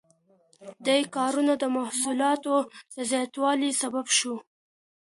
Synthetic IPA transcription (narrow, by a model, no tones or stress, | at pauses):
d̪ajkɑɾunad̪əmahsulɑt̪od̪̥əzjɑt̪wɑlisababʃu